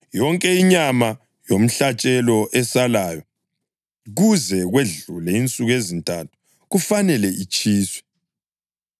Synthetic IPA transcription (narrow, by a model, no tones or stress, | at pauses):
jɔŋkʼɛiɲama | jom̩ɬat͡ʃʼɛlɔʔɛsalajɔ | ɣuzɛɣweɮulɛint͡sʼuɣezintʼatʰu̥ | ɣufanɛlɛit͡ʃʼiːswɛ̥